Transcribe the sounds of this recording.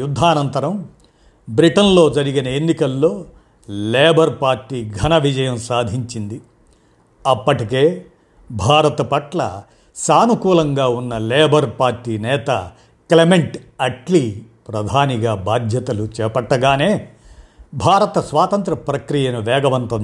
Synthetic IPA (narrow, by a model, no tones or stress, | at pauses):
jud̪ʱːaːnɐnt̪ɐɾɐm | bɾiʈɐnlo̞ːd͡ʒɐɾiɡinɐenːikɐlːo̞ː | leːbɐɾpaːɾʈːiːɡʱɐnɐʋid͡ʒɐjɐmsaːd̪ʱiɲt͡ʃind̪i | ɐpːɐʈike̞ː | bʱaːɾɐt̪ɐpɐʈlɐ̰ | saːnukuːlɐŋɡaːunːɐleːbɐɾpaːɾʈːiːnɛːt̪ɐ̰ | klemeɳʈɐʈli | pɾɐd̪ʱaːniɡaːbʱaːd̪ʱjɐt̪ɐlut͡ʃɛːpɐʈːɐɡaːne̞ː | bʱaːɾɐt̪ɐsʋaːt̪ɐnt̪ɾɐpɾɐkɾijɐnuʋɛːɡɐʋɐnt̪ɐnd̪